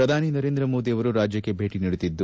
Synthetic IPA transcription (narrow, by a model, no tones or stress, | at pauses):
ɾɐd̪ʱaːninɐɾeːnd̪ɾɐmo̞ːd̪ijɐʋɐɾuɾaːd͡ʒjɐkːe̞bʱe̞ːʈiniɽut̪id̪ːu